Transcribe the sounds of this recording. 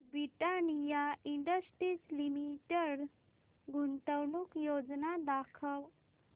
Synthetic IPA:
bɾiʈanijaiɳɖəsʈɾit͡slimiʈəɽ | ɡunt̪əwɳuːkjod͡znad̪akʰəw

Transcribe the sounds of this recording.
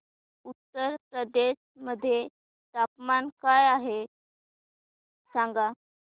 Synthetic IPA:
ut̪ːəɾpɾəd̪eɕ | məd̪ʱːje | t̪apmankajaɦe | sãŋɡa

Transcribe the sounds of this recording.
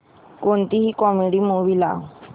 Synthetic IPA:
kont̪iɦikɔmĩɽimoβila̰

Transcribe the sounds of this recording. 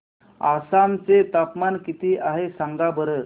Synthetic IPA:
a̰sant͡set̪apmankit̪iːʔaɦesãŋɡabəɾə

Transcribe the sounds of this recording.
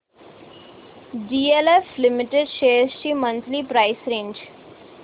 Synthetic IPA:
ɖiːeleflɪmɪʈeɖʃeːɾzʃimə̃nt̪ʰlipɾaɪsɾẽːɲd͡ʒ

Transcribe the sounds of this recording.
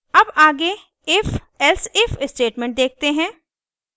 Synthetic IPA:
ɐbaːɡe | ɪf | ɛlsɪfɪsʈeːʈmɛ̃ːɳʈ̚d̪eːk̚t̪eɦɛ̃ː

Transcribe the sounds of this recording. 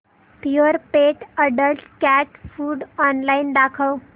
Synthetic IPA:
piəɾpeʈəɖəlskæʈfuːɖɔnlaind̪akʰəw

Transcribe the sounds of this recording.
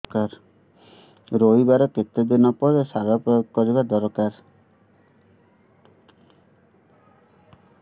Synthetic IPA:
kaɾ | ɾoibaɾɔket̪ed̪enɔpɔɾesab̪apɔjokɔɾibad̪ɔɾkaɾ

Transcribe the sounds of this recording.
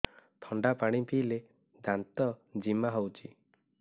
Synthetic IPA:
t̪ʰɔɳɖapaɽ̃ipile | d̪ant̪ɔd͡ʒimaɦowt͡ʃi

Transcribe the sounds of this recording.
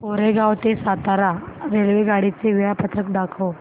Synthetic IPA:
poɾeɡawt̪esat̪aɾaɾelʋeɡaɽit͡seʋijapət̪ʰɾək̚d̪akʰəw

